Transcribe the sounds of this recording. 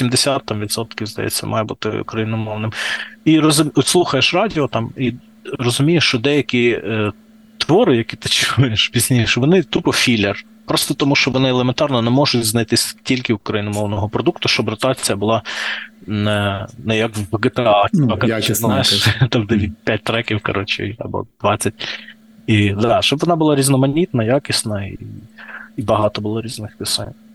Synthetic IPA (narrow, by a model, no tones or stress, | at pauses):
sʲimd̪esʲat̪ːɐmʋʲid̪sɔt̪kʲiwzd̪ɐjɛ̰t͡sʲːɐ̰mʔɑ̰jɛbut̪ɪ̰ṵkɾɐjinɔmɔʋnɪmiɾɔzʊmʲɔt̪ʲsˠuxɐjeʃrɑdʲiɔt̪ɑmi | rɔzʊmʲijeʃt͡ʃɔd̪ɛjɐkʲi | t̪ʋɔɾɪjɐkʲit̪ɪt͡ʃɪujɪʃpʲizʲnʲijʃʋɔnɪt̪upɔfʲilʲer | pɾɔst̪ɔt̪ɔmuʃt͡ʃɔʋɔnɪɛlˠement̪ɑrnɔnɛmɔʒʊtʲznɐjt̪ɪsʲtʲilʲkɪʊkɾɐjinɔmɔʋnɔɦɔpɾɔd̪ukt̪ʊʃt͡ʃɔbrɔt̪ɑt͡sʲijɐbʊlˠɑ | nɛnɛjɐkwɡet̪eɑɐkt͡ʃznɑjɪʃt̪ɑmd̪ɛʋʲit̚ʲpʲat̚ʲt̪ɾɛkʲiwkɐ̰ɾɔt͡ʃɪ̰iɐ̰bɔ̰d̪̥ʋɑt͡sʲːɐt̚ʲ | id̪ɑʃt͡ʃɔbʋɔnɑbʊlˠɑɾʲiznɔmɐnʲit̪nɐjakʲɪsʲnɐi | ibɐɦɑt̪ɔbʊlˠɔɾʲiznɪxpʲɪsɛ̰nʲ